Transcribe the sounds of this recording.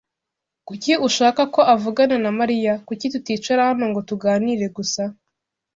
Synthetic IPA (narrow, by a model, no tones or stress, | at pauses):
kuciʔuʃaːkako̞ʔavuɡanenamaɾijakucitutiːt͡ʃaɾahano̞ŋɡo̞tuɡaːniɾe̞ɡusa